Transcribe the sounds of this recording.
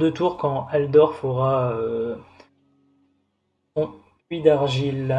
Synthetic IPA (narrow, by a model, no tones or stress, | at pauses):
d̪ət̪uʁkɑ̃ald̪ɔʁfəʁaø | ɔ̃ | pɥid̪aʁʒil